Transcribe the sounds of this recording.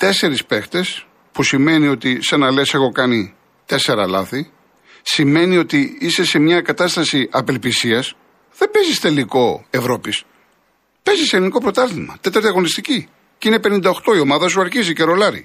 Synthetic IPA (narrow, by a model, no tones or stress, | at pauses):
t̪e̞se̞ɾispe̞xt̪e̞s | pusime̞nio̞t̪isɐnɐle̞se̞xo̞kɐni | t̪e̞se̞ɾɐlɐ̰θi | sime̞nio̞t̪iise̞se̞mɲɐkɐt̪ɐst̪ɐsiʔɐpe̞lpisiɐs | ðebe̞zist̪e̞liko̞e̞vɾo̞pis | pe̞ziseliniko̞pɾo̞t̪ɐɾt̪imɐ̰t̪et̪ɐɾt̪iɐɣo̞nist̪ici | cine̞pe̞nind̪ɐoxt̪o̞io̞mɐðɐs̬uɐɾçizice̞ɾo̞lɐɾḭ